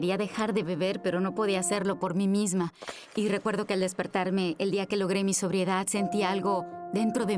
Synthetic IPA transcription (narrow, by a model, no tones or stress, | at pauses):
eɾiaðe̞xaɾðe̞βe̞βe̞ɾpe̞ɾo̞no̞po̞ð̞iaːse̞ɾlo̞po̞ɾmimizma | ire̞kwe̞ɾðo̞ke̞ald̪e̞spe̞ɾt̪aɾme̞ːld̪iake̞lo̞ɣ̞ɾe̞miso̞β̞ɾje̞ðaðse̞nt̪ialɣo̞ðe̞nt̪ɾo̞ðe̞